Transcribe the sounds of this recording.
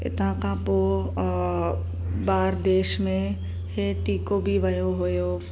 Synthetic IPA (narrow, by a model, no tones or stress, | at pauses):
ɪ̰t̪ãkãpo | baːɾd̪eːʃmẽ | heʈiːkobʱiʋɐjoɦojo